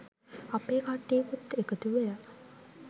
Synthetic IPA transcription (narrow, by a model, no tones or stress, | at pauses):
apeːkaʈːejekut̪ːekət̪uʋela